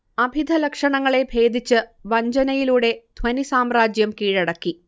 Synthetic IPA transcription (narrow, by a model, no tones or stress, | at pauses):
ɐbʱid̪ʱɐlɐkʂɐɳɐŋːɐɭe̞bʱe̞ːd̪ʱit͡ɕːɨʋɐɲd͡ʑɐnɐjiluːɽe̞d̪̥ʱʋɐnisaːmraːd͡ʑjɐmkiːɻɐɽɐkːi